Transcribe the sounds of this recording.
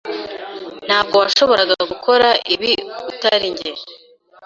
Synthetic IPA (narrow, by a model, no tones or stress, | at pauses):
n̥haːb̚ɡo̞waʃo̞βo̞ɾaɡaaɡukʰo̞ɾaʔiβiutaɾiɲɟeɾ